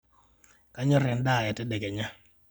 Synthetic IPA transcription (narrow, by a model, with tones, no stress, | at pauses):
ka˦ɲɔ˦ɾɛ˨nda˦˨ja˨tɛ˦dɛ˨kɛ˨ɲa˦